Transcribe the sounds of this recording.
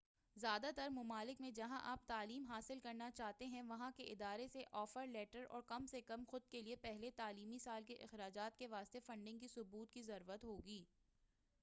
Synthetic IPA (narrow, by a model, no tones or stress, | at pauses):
zjaːd̪at̪ɐɾmʊmaːlɪkmẽd͡ʒɐɦãʔaːp̚t̪aːliːmɦaːsɪlkɐɾnat͡ʃaːɦt̪eɦɛ̃ʋɐɦãkeʔɪd̪aːɾeseʔɔːfəɾlɛːʈəɾɔ̰ːɾkɐmsekɐmxʊd̪̚keliepɛɦlet̪aːliːmisaːlkeʔɪ̰xɾaːd͡ʒaːt̪keʋaːst̪efɐ̃ɳɖɪ̃ŋɡkisʊbuːt̪̚kizɐɾuːɾət̪ɦoːɡiː